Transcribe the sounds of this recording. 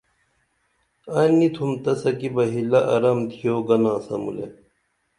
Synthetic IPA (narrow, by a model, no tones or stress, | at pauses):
ɐnit̪ʰumt̪ɐsɐkibɐɦilɐʔɐ̰ɾɐmt̪ʰijoːɡɐnãːsɐ̰mṵlḛ